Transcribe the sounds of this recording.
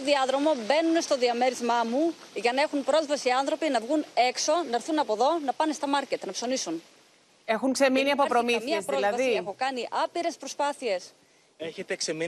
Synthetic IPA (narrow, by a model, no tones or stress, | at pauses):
oðiɐðɾo̞mo̞be̞nunest̪o̞ðiɐme̞ɾizmɐmu | ʝɐnɐe̞xumpɾo̞zvɐsiɐnθɾo̞pinɐvɣune̞kso̞nɐeɾθunɐpo̞ðo̞nɐpɐnest̪ɐmɐɾcet̪nɐpso̞nisun | e̞xuŋkse̞miniɐpo̞pɾo̞mimɐezpðɾiolɐvɐðsiexokɐniʔɐpiɾe̞spɾo̞spɐθie̞s | eçet̪eksemi